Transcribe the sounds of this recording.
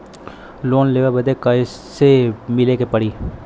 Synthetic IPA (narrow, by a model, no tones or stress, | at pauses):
loːnleːʋabəd̪eːkəi | semɪleːkepəɽiː